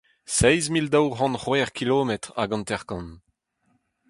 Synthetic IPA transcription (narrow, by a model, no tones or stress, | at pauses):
sɛjzmild̪awhɑ̃nχwɛːʁkiloːmɛt̪ʁa̰ɡɑ̃nt̪ɛʁkɑ̃n